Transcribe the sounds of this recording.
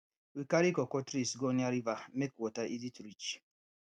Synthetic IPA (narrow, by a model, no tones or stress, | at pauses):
wikaɾikɔkɔtɾisɡɔniaɾivamekwɔtaʔiditɾit͡ʃ